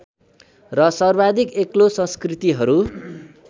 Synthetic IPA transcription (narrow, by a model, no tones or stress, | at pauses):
rʌsʌrbad̪ʱikeklosʌ̃nskrit̪iɦʌɾu